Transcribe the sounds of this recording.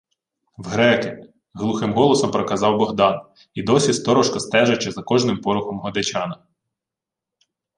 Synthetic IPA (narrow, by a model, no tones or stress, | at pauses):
wɦɾɛkɪ | ɦlˠuxɪmɦɔlˠɔsɐmpɾɔkɐzɑwbɔɦd̪ɑn | id̪ɔsʲist̪ɔɾɔʃkɐst̪ɛʒɐt͡ʃɛzɐkɔʒnɪmpɔɾʊxɔmɦɔd̪ɐt͡ʃɑnɐ